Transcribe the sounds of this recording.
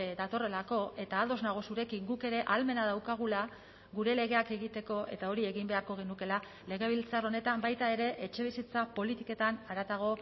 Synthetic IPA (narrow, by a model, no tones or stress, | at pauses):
d̪at̪o̞re̞lako̞e̞t̪aːld̪o̞znaɣ̞o̞suɾe̞kiŋɡuke̞ɾe̞ʔalme̞naðawkaɣ̞ula | ɣuɾe̞le̞ɣe̞ake̞ɣit̪e̞ko̞ʔe̞̰t̪ao̞ɾie̞ɣimbe̞aɾko̞ɣ̞enuke̞la | le̞ɣe̞β̞ilt͡saro̞ne̞t̪ambajt̪ae̞ɾe̞ʔet͡ʃe̞β̞isit͡sapo̞lit̪ike̞t̪anaɾat̪aɣ̞o̞